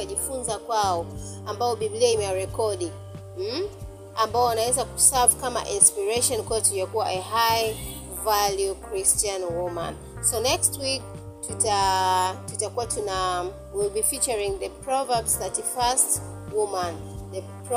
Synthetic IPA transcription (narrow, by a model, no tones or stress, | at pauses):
aʄifunzakwaɔ | ambaɔɓiɓliaimɛwaɹɛkɔɗi | m̩ | ambaɔwanawɛzakusavkama̰ʔĩnspiɹɛʃɔnkuatujakuwaʔɛɦaj | valjukɹistãnwumã̰n | sɔnɛkstwik̚ | tutatutakuwatuna | wilbifit͡ʃəɹĩŋðəpɹɔvabsatifast | wumãnðə | p